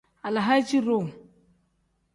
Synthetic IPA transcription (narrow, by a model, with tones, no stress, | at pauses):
a˨la˨ɦa˦t͡ʃi˦ɾo˦˨ŋ